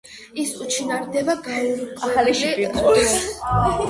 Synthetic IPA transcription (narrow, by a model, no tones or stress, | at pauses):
isut͡ʃʰinaɾd̪ɛbaɡaaχaliʃit̪ʼɔ